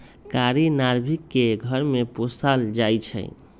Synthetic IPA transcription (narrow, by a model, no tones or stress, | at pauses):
kaɾinaɾbʱikːeɡʱəɾmeposald͡ʒajt͡ʃʰə̰